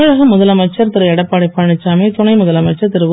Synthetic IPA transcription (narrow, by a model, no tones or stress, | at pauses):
ɐɻɐɣɐmʊðɐlɐmɐɪt͡ʃːɐɾt̪ɪɾɐɛɽɐpːaːɽɐɪpːɐɳɪt͡ʃːaːmeːt̪ʊnɐɪmʊðɐlɐmɐɪt͡ʃːɐɾt̪ɪɾɯʋɯ